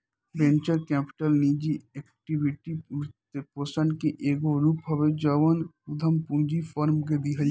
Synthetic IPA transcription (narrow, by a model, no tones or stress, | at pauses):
bẽːnt͡ʃəɾkɛːpɪ̥ʈəlniːd͡ʒiɛːkʈiʋɪʈit̪epoːsəɳkeʔeːɡoɾuːpɦɐʋed͡ʒəʋənʊd̪ʱəmpũːd͡ʒifʰɔːɾmked̪iɦəl